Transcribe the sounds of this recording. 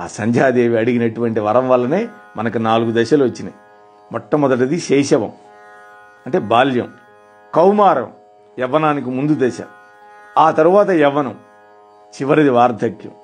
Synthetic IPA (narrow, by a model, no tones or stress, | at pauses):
aːsɐɲd͡ʒaːd̪e̞ːʋiɐɽiɡinɐʈuʋɐɳʈiʋɐɾɐmʋɐlːɐneːmɐnɐkinaːluɡud̪ɛʃɐluʋɐt͡ʃːinɐ̰ | mɔʈːɐmɔd̪ɐʈ̬ɐd̪iʃɛːʃɐʋɐ̰m | ɐɳʈe̞ːbaːljɐ̰m | kɐwmaːɾɐ̰m | jɛʋɐnaːnikimund̪ud̪ɛʃɐ̰m | aːt̪ɐɾuʋaːt̪ɐjɛʋɐnɐm | t͡ʃiʋɐɾid̪iʋaːɾd̪ʱɐkjɐ̰m